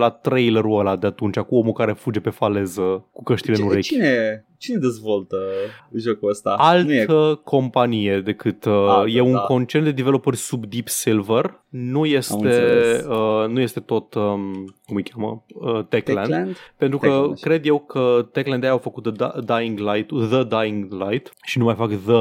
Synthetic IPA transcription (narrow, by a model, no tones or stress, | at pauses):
lat̪ɾejləɾuəlad̪eat̪unt͡ʃakuo̞mukaɾe̞fud͡ʒe̞pe̞fale̞zəkukəʃt̪ilenuɾekkne | t͡ʃined̪e̞zvo̞lt̪əʒokuəst̪aalt̪əkʰo̞mpanije̞d̪e̞kɨt̪əjeunko̞nt͡ʃet̪d̪e̞d̪ivelo̞pərʲsubd̪ipsilver | nuje̞st̪e̞ənuje̞st̪e̞t̪o̞t̪əkuməjkʲamə̰ət̪ekland̪npent̪ɾukəkɾe̞d̪je̞wkʰət̪ekland̪ejawfəkut̪d̪ad̪aiŋɡlajt̪uðəd̪ajiŋɡlajt̪ʃinumajfakðə